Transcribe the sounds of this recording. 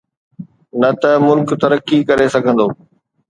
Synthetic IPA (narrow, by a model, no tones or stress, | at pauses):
nɐt̪ɐmʊlkt̪ɐɾəkːikɐɾesɐɡʱə̃nd̪oː